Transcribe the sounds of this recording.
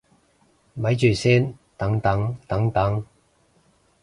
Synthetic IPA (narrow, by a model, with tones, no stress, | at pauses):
mɐ˨˥jt͡ʃyː˨˩sɛː˥nt̪ɐ˨˥ŋt̪ɐ˨˥ŋt̪ɐ˨˥ŋt̪ɐ˨˥ŋ